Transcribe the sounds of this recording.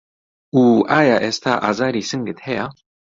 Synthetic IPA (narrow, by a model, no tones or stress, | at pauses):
uːʔaːjaːʔeːst̪ʰaːʔa̰ːzaːɾiːsɨŋɡɨt̪hɛja